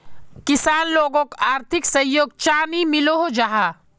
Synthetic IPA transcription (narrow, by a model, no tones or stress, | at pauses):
kɪsaːnloːɡõkoʔaːɾt̪ʰɪksɐ̃joːɡ̚t͡ʃaːnimɪloɦod͡ʒaɦaː